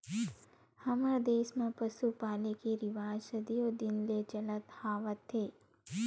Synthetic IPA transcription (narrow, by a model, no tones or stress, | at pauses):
hɐməɾd̪eːʃmãpəsupaːlekeɾɪʋaːd͡ʒsəd̪ijod̪ɪnlet͡ʃələt̪haːʋət̪ʰːeː